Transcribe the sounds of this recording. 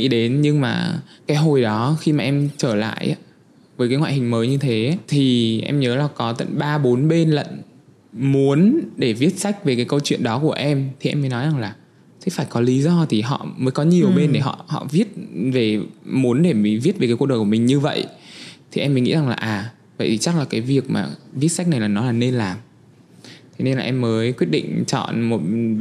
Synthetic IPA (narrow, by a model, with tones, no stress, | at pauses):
ŋḭ˧˥ɗe˨˦nɲɨ˧ŋmaː˨˩kaː˨˦jɦo˨˩jɗɔ˨˦xi˧maː˨˩ʔɛ˧mt͡ɕəː˧˩la̰ː˧˨jʔa̰ː˨˦ | vəː˨˦jkaː˨˦ŋwaː˧˨hi˨˩ŋ̟məː˨˦jɲɨ˧t̪ʰe˨˦t̪ʰi˨˩ʔɛ̰˧mɲəː˨˦laː˨˩kɔ˨˦t̪ə̰˧˨nɓaː˧ɓo˨˦nɓe˧nlə̰˧˨n | mu˨˦ənɗe˧˩vi˦˥ət̚sa˦˥jk̟̚ve˨˩kaː˨˦jkə˧wt͡ɕwḭ˧˨ənɗɔ˨˦ku˧˩əʔɛ˧mt̪ʰi˨˩ʔɛ̰˧məː˨˦jnɔ˨˦jza˨˩ŋlaː˨˩ | sɛ̰˧˥faː˧˩jkɔ˨˦li˨˦zɔ˧t̪ʰi˨˩ɦɔ̰˧˨məː˨˦jkɔ˨˦ɲi˨˩əwɓe˧nɗe˧˩ɦɔ̰˧˨hɔ̰˧˨vi˦˥ət̚ve˨˩mu˨˦ənɗe˧˩mi˨˩vi˦˥t̚vkaː˨˦kːnɗəː˨˩jku˧˩mï˨˩ŋ̟ɲɨ˧və̰˧˨jʔt̪ʰi˨˩ʔɛ˧mːi˨˩˦ŋḭ˧˥za˨˩ŋlaː˨˩ʔaː˨˩ | və̰˧˨jt̪ʰi˨t͡ɕa˦˥k̚laː˨˩kaː˨˦jvi˨˩ək̚ma̰ː˨˩vi˦˥ət̚sa˦˥k̟̚na˨˩jlaː˨˩nɔ˨˦laː˨˩ne˧nlaː˨˩m | t̪ʰe˨˦ne˧nlaː˨ʔɛ˧mːəː˨˦jkwi˦˥ət̚ɗḭ̈˧˨ŋ̟t͡ɕɔ̰˧˨nmo˨˩t̚